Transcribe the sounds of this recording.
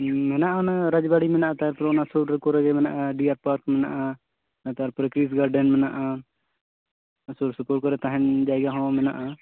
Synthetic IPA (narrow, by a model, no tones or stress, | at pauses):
mɛnaʔanaɾad͡ʒbaɽimɛnaʔat̪aɾpɾɔnasɔɾkɔɾɛɡɛmɛnaʔaɖiaɾpaɾkmɛnaʔa | nat̪aɾpɾɛkɾis̬ɡaɾɖɛnmɛna̰ʔa | asuɾsupɔʈ̚kɔɾɛt̪aɦɛnd͡ʒaɛɡaɦɔ̃mɛnaʔa